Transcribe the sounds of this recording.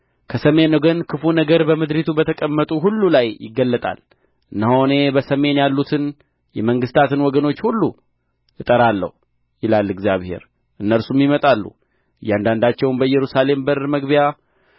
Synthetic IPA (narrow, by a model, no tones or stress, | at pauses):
kʰəsəme̞nɡənkʰɨfunəɡəɾbəmɨd̪ɾit̪ʰubət̪ʰəkʼəmːət̪ʼuɦulːulajjɪ̰ɡːəlːət̪ʼa̰l | ʔɨnːəhone̞bəsəme̞njalːut̪ʰɨn | jɛməŋɡɨst̪ʰat̪ɨnwɔɡəno̞t͡ʃːhulːu | jɨt̪ʼəɾalːə̰hu | jɪlalːɨɡzijaβhe̞̰ɾ | ʔɨnːəɾsumjimət̪ʼalːṵ | ɨjːand̪and̪at͡ʃːɛwnbəɨjːɛɾusale̞mbəɾməɡbija